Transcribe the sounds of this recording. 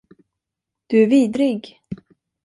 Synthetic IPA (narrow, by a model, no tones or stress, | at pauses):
d̪̥ɵæɾviːd̪ɾɪɡ